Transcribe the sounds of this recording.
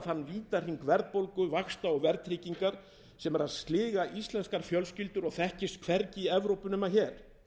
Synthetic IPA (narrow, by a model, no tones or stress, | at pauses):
hanːviːt̪ar̥iŋkvɛɾðpowlkʏvaxst̪aɔɣvɛɾt̪t̪ʰɾɪːciŋkaɾ̥ | sɛmɛɾaðst̪lɪːɣaʔist̪lɛnskaɾ̥fjœlscɪlt̪ʏɾɔɣθɛhcɪst̪kʰv̥ɛɾcɪiɛvɾowpʏnʏmaçɛːɾ̥